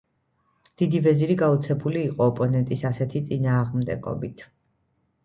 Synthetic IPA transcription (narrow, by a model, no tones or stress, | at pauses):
d̪̥id̪ivɛziɾiɡaut̪sʰɛbuliːqʼɔːpʼɔnɛnt̪ʼisasɛt̪ʰit̪sʼinaːʁmd̪ɛ̰ɡɔ̰bit̪ʰ